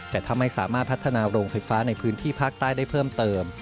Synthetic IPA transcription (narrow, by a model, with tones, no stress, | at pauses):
t̪ɛː˨˩t̪ʰa˧mːa˥˩jsa̰ː˩˦maː˥˩t̪̚pʰa˦˥t̪ʰːa˧naː˧ɾoː˧ŋfa˧jfaː˦˥na˧jpʰɯː˦˥nt̪ʰiː˥˩pʰaː˥˩k̚t̪aː˥˩jda˥˩jpʰɤː˥˩mt̪ɤː˧m